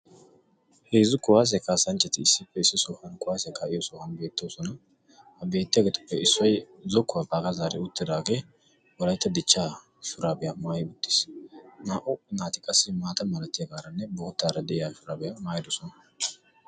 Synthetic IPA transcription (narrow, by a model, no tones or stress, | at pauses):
heːzʊkʊwaːs̬ɛkaːsɐnt͡ʃːɐt̪ɪɪsːɪpːɛɪsːɪsɔhɐnkʼʊwaːsɛkɐʔɪjɔsɔhɐnbe̞ːt̪ːoːsɔnɐ | hɐbe̞ːt̪ːɪjɐɡet̪ʊ̥pːɛɪsːɔj | zɔkːʊwɐpʼaːɡɐzaːɾɛʊt̪ːɪd̪aːɡeː | wɔlɐjt̪ːɐd̪ɪt͡ʃːaː | ʃʊɾaːbɛjamaːjɪʊt̪ːɪ̥snaːʔʊnaːt̪ɪkʼɐsːɪmaːt̪ɐmɐlɐt̪ːɪjɐɡaːɾɐnːɛboːt̪ːaːɾɐd̪ɛʔɪjaʃʊɾaːbɛjamaːjɪd̪ɔsɔnɐ